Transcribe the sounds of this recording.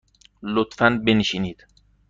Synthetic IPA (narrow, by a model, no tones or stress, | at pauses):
lot̪fænbenʃiːniːd̪̥